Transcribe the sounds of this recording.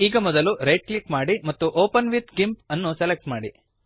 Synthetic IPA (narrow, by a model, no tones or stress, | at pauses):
iːɡɐmɔd̪ɐluɾejʈ̚klikmaːɽimɐt̪ːuʔoːpɐnʋit̪ɡimpɐnːuselek̚ʈmaːɽi